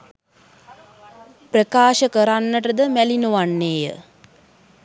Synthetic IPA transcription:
prəkaːʃəkəɾanːəʈəd̪əmælinuʋanːeːjə̰

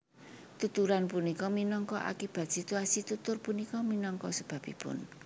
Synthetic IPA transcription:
t̪ut̪uɾanpunikɔminɔŋkɔʔa̰kib̥a̤t̪̚sit̪uasit̪ut̪ʊrpunikɔminɔŋkɔsəb̥ä̤pḭpʊ̰n

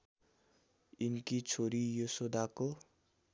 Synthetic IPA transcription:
inkit͡sʰoɾijosod̪ako

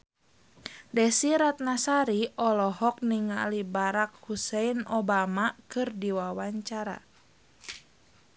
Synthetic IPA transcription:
dɛsiɾat̪̚nasaɾiɔlɔɦɔk̚niŋa̰libaɾak̚husɛinɔbamakɨrdiwawaɲt͡ʃaɾa̰

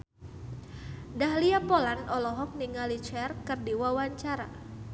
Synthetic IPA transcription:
daɦliapolanɔlɔɦɔk̚niŋalit͡ʃɛrkɨrdiwawaɲt͡ʃaɾa

